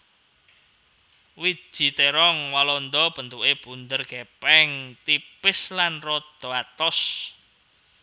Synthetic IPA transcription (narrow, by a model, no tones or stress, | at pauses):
wi̥ʒ̥i̤t̪eɾɔŋwalɔnd̪ɔb̥ənt̪uʔeb̥und̪ərɡ̥epɛŋt̪ipɪslanrɔd̪̥o̤at̪ɔs